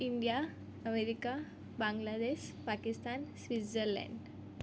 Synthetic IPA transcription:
iɳɖija | əmeɾika | bãŋɡlad̪eɕpakist̪ansʋit̪d͡zəɾlɛ̰ɳɖ

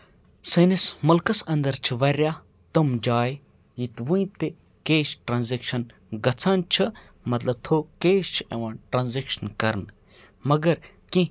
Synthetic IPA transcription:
sɐnismɐlkɐsɐ̃nd̪ɐɾt͡ʃʰiʋɐɾʲjaː | t̪ɐmd͡ʒaːj | jit̪ʋũĩt̪e | keːʃʈɾaːnzekʃɐn | ɡɐt͡sʰaːnt͡ʃʰɨ | mɐt̪lɐb̚t̪ʰoːkeːʃt͡ʃʰeʋãːnʈɾaːnzekʃɐnkɐɾn | mɐɡɐɾ | kĩ

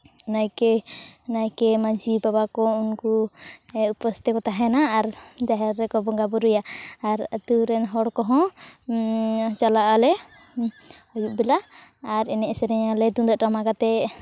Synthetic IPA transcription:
najkɛnajkɛmad͡ʒibabakɔunkuɛupəst̪ikɔt̪aɦɛnaːɾd͡ʒaɦɛɾːɛkɔbɔŋɡabɔɾujaːɾat̪uɾɛnɦɔɽkɔɦɔ̃ | t͡ʃalaʔalɛ | ɔjuʔ̚bɛlaaɾɛnɛʔsɛɾɛɲalɛd̪ud̪ɔʔʈamakat̪ɛ

